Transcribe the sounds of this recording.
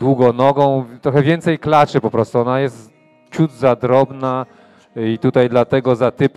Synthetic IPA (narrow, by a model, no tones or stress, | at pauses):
d̪wuɡɔ̃nɔɡɔ̃w̃t̪ɾɔxɛvʲjɛnt̪sɛjklat͡ʂɘpɔpɾɔst̪uɔnajɛst̪ | t͡ɕud̪zad̪ɾɔbna | it̪ut̪ajd̪lat̪ɛɡɔzat̪ɘp